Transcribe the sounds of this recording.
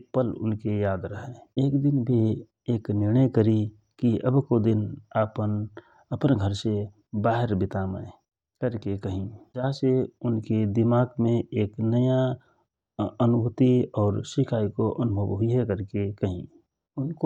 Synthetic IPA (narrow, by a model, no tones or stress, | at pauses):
epəlʊ̰nkejaːd̪ɾəɦɛ̃eːkd̪ɪnbʱi | eːknɪɾnəjkəɾi | kiəbkod̪ɪnapən | əpnɡʱəɾse | baːɦəɾbɪt̪aːmə | kəɾkekəɦĩd͡ʒaːɦseʊnked̪ɪmaːɡmẽeːknəja | ənʊbʱʊt̪iɔːɾsɪkʰaːikoʔənʊbʱəʋɦʊiɦekəɾkekəɦĩ | ʊnko